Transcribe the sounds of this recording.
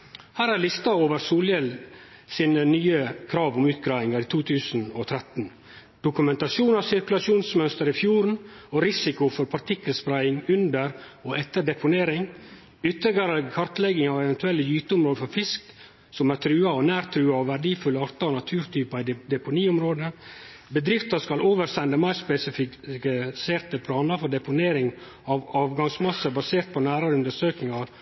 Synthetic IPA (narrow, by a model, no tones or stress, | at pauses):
hæːɾæɾlɪst̪ɑoːʋəɾsuːljɛl | siːnənyːəkʰɾɑːʋʊmʉːt̪̚ɡɾɑːɪŋɑɾiːt̪ʰuːt̪ʰʉːsn̩ot̪ʰɾɛt̪n | d̪̥ʊkʉmɛnt̪ɑʃuːnɑʋsɪɾkʉlɑsuːnsmœnst̪əɾɪfjuːɾn̩ɔɾɪsɪkʊfɔɾpʰɑɾt̪ʰɪkːəlspɾæɪɪŋʉnd̪əɾɔʔɛt̪ːəɖɛpʊneːɾɪŋ | ʏt̪ːəɡəɾəkʰɑɾt̪lɛɡɪŋɑʋɛʋɛnt̪ʰʉɛlːəjyːt̪əʊmɾoːd̪əfɔɾfɪsk | sɔmæɾt̪ʰɾʉːɑɔnæːɾt̪ʰɾʉːɑɔʋæɾɖiːfʉlːəɑɾt̪ɑɔnɑt̪ʰʉːɾt̪ʰyːpɑɪd̪d̪ɛpʊniːʊmɾoːd̪ə | bəd̪ɾɪft̪ɑskɑloːʋəɾsɛnd̪əmæɪɾspɛsɪfɪ | seːɾt̪əpʰlɑːnɑfɔɖ̪ɛpʊneːɾɪŋ | ɑʋɑːʋɡɑŋsmɑsːəbɑseːɾt̪̚pʰɔnæːɾɑɾəʉnd̪əʂøːknɪŋɑʋ